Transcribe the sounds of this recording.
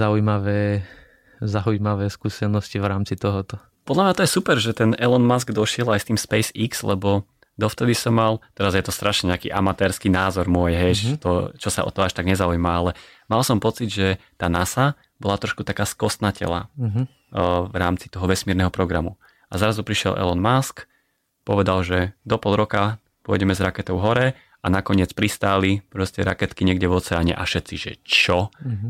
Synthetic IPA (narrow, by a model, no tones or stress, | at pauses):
zaujmaʋɛː | zaujmaʋɛːskuːsɛnɔscivɾaːmt͡sit̪ɔɦɔt̪ɔ | pɔd̪lamɲat̪ɔjɛsupɛɾʒɛt̪ɛnɛlɛnmasɡd̪ɔʃɪɛlajst̪iːmspɛjsikslɛ̰bɔ | d̪ɔft̪ɛd̪isɔmːalˠt̪ɛɾazjɛt̪ɔst̪ɾaʃɲɛɲɛakḭːʔa̰mat̪ɛːɾskiːnaːzɔɾmʊɔjɦɛjt͡ʃt̪ɔt͡ʃɔsa̰ʔɔ̰t̪ɔaʃt̪aɡɲɛzaujmaalɛ | malˠsɔmpɔt͡sid̪ʒɛt̪aːnasa | bɔlat̪ɾɔʃkut̪akaːskɔst̪nacɛ̰la̰ | vɾaːmt͡si̥t̪ɔɦɔʋɛsmiɛɾnɛɦɔpɾɔɡɾamu | azaɾazupɾiʃɪɛ̰lˠʔɛ̰lɔnmask | pɔ̰ʋɛd̪alʒɛd̪ɔpɔlˠɾɔka | pʊɔjɟɛmɛzɾakɛt̪ɔʊɦɔɾɛ | anakɔɲɪɛt͡spɾist̪aːlipɾɔscɛɾa̰kɛt̪kiɲɪɛɡɟɛʋɔt͡sɛaɲɛ̰ʔa̰fʃɛt̪siʒɛ̰t͡ʃɔ